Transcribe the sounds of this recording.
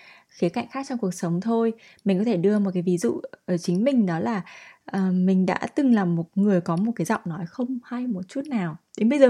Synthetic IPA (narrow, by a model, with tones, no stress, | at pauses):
xi˨˦ka̰˧˨ŋ̟xaː˦˥k̚t͡ɕɔ˧ŋ͡mku˨˩ək̚sə˨˦wŋ͡mt̪ʰo˧j | mi̟˨˩kɔ˨˦t̪ʰe˧˩ɗɨ˧əmo˨˩kaː˨˦jvi˨˦zṵ˧˨ʔəː˧˩t͡ɕï˨˦ŋ̟mï˨˩ŋ̟ɗɔ˨˦laː˨˩ʔəː˨˩mï˨˩ŋ̟ɗa̰ː˧˥t̪ɨ˨˩ŋlaː˨˩mːo˨˩t̚ŋɨ˨˩əjkɔ˨˦mo˨˩t̚kaː˨˦jzɔ̰˧˨wŋ͡mnɔ˨˦jxə˧wŋ͡mha˧jmo˨˩t̚t͡ɕu˦˥t̚naː˨˩wɗe˨˦nɓə˧jzəː˨˩